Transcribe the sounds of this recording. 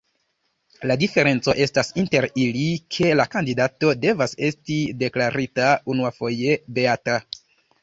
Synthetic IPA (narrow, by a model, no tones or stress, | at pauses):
ladife̞ɾe̞nt͡so̞ʔe̞stasinte̞ɾilikʰe̞lakandidato̞de̞vase̞stide̞klaɾitaunuafo̞je̞be̞atɾa